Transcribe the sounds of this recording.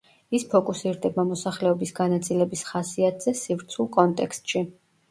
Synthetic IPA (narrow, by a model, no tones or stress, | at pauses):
ispʰɔkʼusiɾd̪ɛbamɔsaχlɛɔbisɡanat̪sʼilɛbisχasiat̪ʰz̥ɛsivɾt̪sʰulˠkʼɔnt̪ʼɛkst̪ʼʃi